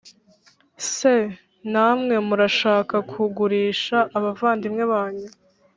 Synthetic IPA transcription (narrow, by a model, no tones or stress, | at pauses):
se | naːmŋe̞muɾaʃaːkakʰuɡuɾiːʃaʔːβavaːndimŋe̞βaːɲu